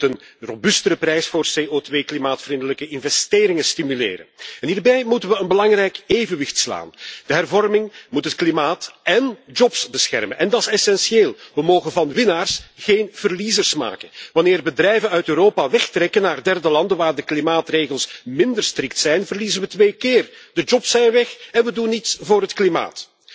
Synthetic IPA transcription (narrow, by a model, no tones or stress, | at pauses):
tənrobʏstəɾəprɛjsfoːrseːʔotʋeːklimaːtfrindələkəɪnvɛsteːɾɪŋəstimylḛːɾə̰nɛnɦiːrbɛjmutənʋəənbəlɑŋrɛjkeːvənʋɪxtsla̰ːnd̥əɦɛrvɔrmɪŋmutɦətklimaːtɛnd͡ʒɔpsbəsxɛ̰rmənɛndɑtsɛsɛnsieːlˠʋəmoːɣənvɑnʋɪnaːrsɣeːnv̥ərlizərsma̰ːkənʋɑnɪːrbədrɛjvənœɥtøːɾoːpaʋɛxtrɛkənːaːrdɛrdəlɑndənʋaːrdəklimaːtreːɣəlˠsmɪndərstrɪk̚tsɛjnvərlizənʋətʋeːkɪːrd̥əd͡ʒɔpsɛjnʋɛxɛnʋədunːitsvoːɾɦətklima̰ːt